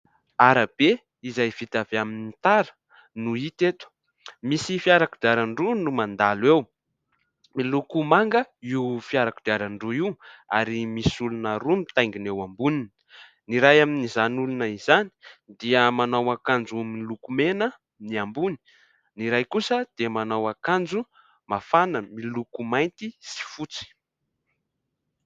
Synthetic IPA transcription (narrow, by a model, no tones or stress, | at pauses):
aɾab̥e | izajv̥it̪aveaminit̪aɾə̥ | nuit̪et̪wu̥ | misifiaɾakud̪iaɾaɳɖ͡ʐunumand̪alwew | milukumaŋɡəiwfiaɾakud̪iaɾaɳɖ͡ʐuiwa̰ɾimisulunaɾumit̪ajŋɡinewambunini | niɾajaminizanulunəizani̥d̪iəmanawakand͡zumilukumenə | niambuni̥ | niɾajkusəd̪̥iəmanawakand͡zu | mafanəmilukumajnt̪isi̥fut͡si̥